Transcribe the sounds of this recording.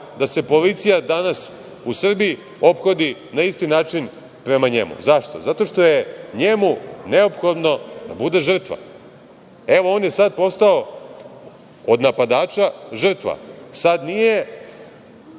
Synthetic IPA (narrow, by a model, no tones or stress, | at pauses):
d̪ase̞po̞lit̪sijad̪anas | usr̩biji | o̞pxo̞d̪inaist̪inaːt͡ʃin | pɾe̞maɲe̞̰mṵzaʃt̪o̞̰zat̪o̞ʃt̪o̞jeɲe̞mune̞opxo̞d̪no̞d̪a̰bud̪e̞ʒr̩t̪ʋa̰ | e̞ʋo̞o̞ːnje̞sad̪̚po̞st̪ao̞ | od̪napad̪aːt͡ʃaʒr̩t̪ʋa̰sad̪nije̞